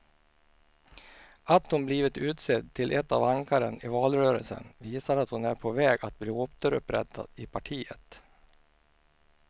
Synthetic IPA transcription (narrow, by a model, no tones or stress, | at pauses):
at̪hʊmbliːvɪt̪ʉ̟ːt̪sed̪t̪ʰːɪlʔɛt̪ːavaŋkaɾənɪvɑːlɾøːɾə̰lsə̰nviːsaɾat̪hʊnæɾpʰɔvɛːɡat̪̚bliːɔpt̪əɾɵ̰pɾɛ̰t̪ʰːa̰d̪̥ɪpʰaʈʰiːə̰t̪